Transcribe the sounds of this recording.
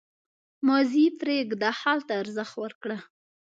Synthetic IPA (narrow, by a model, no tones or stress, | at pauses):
mɑzipɾeɡd̪ɑhɑlt̪aːɾzəxt̪wəɾkɽa